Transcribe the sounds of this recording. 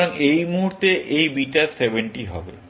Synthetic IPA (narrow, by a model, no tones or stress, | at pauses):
oŋejmuɦuɾt̪eʔejbiʈaɾsebeɳʈiɦɔ̰bḛ